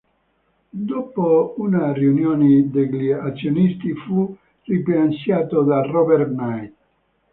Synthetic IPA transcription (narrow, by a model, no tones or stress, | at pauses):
d̪ɔːpounariunjɔːnid̪eɡliat̪sːjonist̪ifu | riplansjaːt̪od̪arɔbɛɾnajt̪